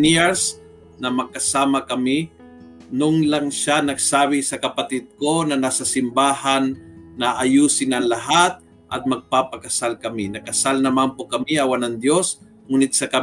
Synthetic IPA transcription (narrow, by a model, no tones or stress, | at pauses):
niɛɾs | nɐmɐɡ̚kːɐsaːmɐkɐmi | nʊŋlaŋʃanɐɡ̚saːbisɐkɐpɐt̪ɪd̪̚konɐnasɐsɪmbaːhanːaʔɐjuːsɪnɐŋlɐɦat̪̚ | ʔɐ̰t̪̚mɐɡ̚papɐkɐsalkɐminɐkɐsalnɐmanpokɐmiɐwanɐŋd̪jo̞s | ŋuːnɪt̪̚sɐkɐ